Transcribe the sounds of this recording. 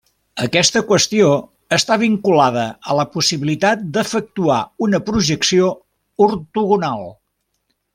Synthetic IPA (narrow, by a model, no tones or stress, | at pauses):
əkɛst̪əkwəst̪io | əst̪aβiŋkulaðəələpusiβilit̪at̪̚d̪əfək̚t̪uaunəpɾuʒəksio | uɾt̪uɣunalˠ